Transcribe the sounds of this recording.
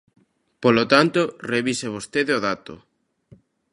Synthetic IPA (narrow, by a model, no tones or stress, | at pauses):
polot̪ant̪oreβiseβ̞ost̪eðeoðat̪o̰